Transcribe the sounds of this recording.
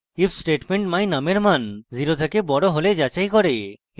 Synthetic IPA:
ifsʈeʈmeɳʈmajnameɾmanziɾot̪ʰekebɔɽoɦoled͡ʑat͡ɕajkɔɾe

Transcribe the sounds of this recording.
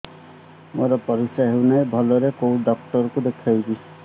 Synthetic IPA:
moɾɔpɔɾisaɦewnajbʱɔlɔɾekowɖɔk̚ʈɔɾkud̪ekʰajbi̥

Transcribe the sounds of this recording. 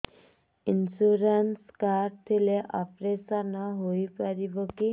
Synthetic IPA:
insuɾanskart̪ʰileʔapɾesʌnʌɦojpaɾiboki

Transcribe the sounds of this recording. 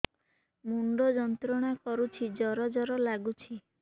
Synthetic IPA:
muɳɖɔd͡ʒɔnt̪ɾɔɽ̃akɔɾut͡ʃʰid͡ʒɔɾɔd͡ʒɔɾɔlaɡut͡ʃʰi

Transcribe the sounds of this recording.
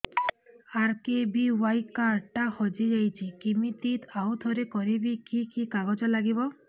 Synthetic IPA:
aɾkebiwajkaɾʈːahɔd͡ʒid͡ʒajt͡ʃʰikimit̪it̪ʰawd̪ʱoɾekɔɾibikikikaɡɔd͡ʒɔlaɡibɔ

